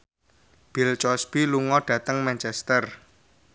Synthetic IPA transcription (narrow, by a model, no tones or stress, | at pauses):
b̥ɪ̤lt͡ʃɔsb̥iluŋɔɖ̥ä̤t̪əŋmant͡ʃɛst̪ər